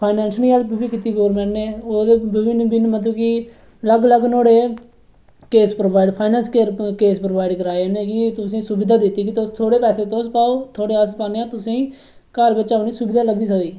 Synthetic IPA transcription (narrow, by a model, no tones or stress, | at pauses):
pʰaːɪnɛːnsliːaːlbɪbiːkit̪ːiːɡoːɾmɛ̃ːɳʈneːoːd̪eːbɪʋɪnbɪnmət̪ũːki | ləɡləɡnoːɽeː | keːspɾoːʋaːɪɖpʰaːɪnɛ̃ːnskeːɾkeːspɾoːʋaːɪɖkəɾaːenẽːkɪt̪ʊsĩːsʊbɪd̪aːd̪ɪt̪ːiːk̬ɪt̪ost̪ʰoːɽeːpɛːseːt̪oːspaːoːt̪ʰoːɽeːəspaːneãːt̪ʊsĩː | kaːɾbəːt͡ʃaːnĩːsʊbɪd̪aːləbiːsəkd̪iː